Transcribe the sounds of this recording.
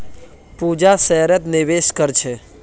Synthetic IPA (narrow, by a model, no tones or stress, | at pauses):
pud͡ʒasɛɦɾət̪nɪʋeʃkəɾt͡ʃʰe